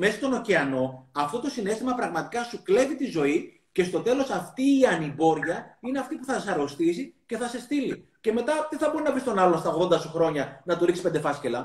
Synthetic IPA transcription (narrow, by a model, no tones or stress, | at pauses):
me̞sɐst̪o̞no̞ceɐno̞ɐft̪o̞t̪o̞sine̞st̪imɐpɾɐɣmɐt̪i̥kɐsukle̞vit̪izo̞i | ce̞st̪o̞t̪e̞lo̞sɐft̪iːɐnibo̞ɾʝɐine̞ɐft̪ipuθɐsɐɾo̞st̪isice̞θɐse̞st̪ilḭ | ce̞me̞t̪ɐðeθɐbo̞ɾinɐvist̪o̞nɐlo̞nst̪ɐo̞ɣðo̞nd̪ɐsuxɾo̞ɲɐnɐt̪uɾiksi̥pend̪e̞fɐscelɐ